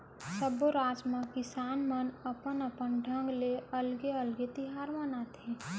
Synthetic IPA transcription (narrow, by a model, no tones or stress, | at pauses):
səboɾaːd͡ʒmãkɪsaːnmənəpənəpənɖʱə̃ŋɡleɐlɡeəlɡet̪ɪɦaːɾmənat̪ʰe